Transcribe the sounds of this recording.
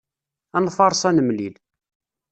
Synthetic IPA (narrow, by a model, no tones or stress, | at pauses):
ænfɑɾˤsˤænəmlil